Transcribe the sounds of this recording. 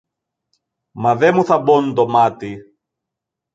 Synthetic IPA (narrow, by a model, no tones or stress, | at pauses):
mɐðemuθɐbont̪omɐt̪i